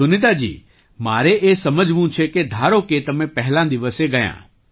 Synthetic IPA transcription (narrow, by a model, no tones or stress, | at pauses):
ʊnɪd̪ad͡ʒḭː | maːɾeʔesɐməd͡ʒʱʋũt͡ʃʰeked̪ʱaːɾoket̪ɐmẽpɛɦlãd̪ɪʋəseɡɐjã̰ː